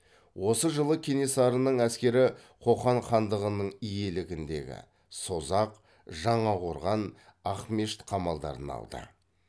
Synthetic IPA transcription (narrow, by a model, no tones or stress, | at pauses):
wo̞səʒəlˠəkʲʰe̞nesɑɾənəɴæskʲe̞ɾɪ | qʰo̞χɑɴχɑnd̪əʁənəɴije̞lɪɡʲɪnd̪e̞̰ɡʲɪ̰ | so̞zɑq | ʒɑɴɑʁoɾʁɑnɑχme̞ʃt̪qʰɑmɑlˠd̪ɑ̰ɾə̰nɑ̰lˠd̪ə̰